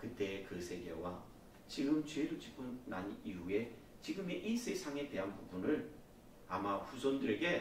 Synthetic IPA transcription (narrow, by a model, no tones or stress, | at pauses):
kɯt͈e̞ːkɯsʰe̞ɡe̞̰wa | t͡ɕiɡɯmt͡ɕweɾot͡ɕipʰonːa̰ɲiɦue̞ | t͡ɕiɡɯme̞ʔis͈ʰe̞sʰaŋe̞te̞ɦanpobunɯɭ | amaɸusʰʌndɯɾe̞ɡe̞